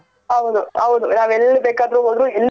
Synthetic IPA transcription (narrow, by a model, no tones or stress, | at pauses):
ɦɐʋd̪uhɐʋud̪unaːʋelːibeːkaːd̪ɾuɦoːd̪ɾuɛlː